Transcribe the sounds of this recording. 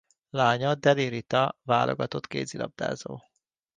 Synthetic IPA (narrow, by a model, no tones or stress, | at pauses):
laːɲɒd̪ɛliɾit̪ɒvaːlʔo̞̰ɡɒt̪o̞t̪keːzilɒb̚d̪a̰ːzoː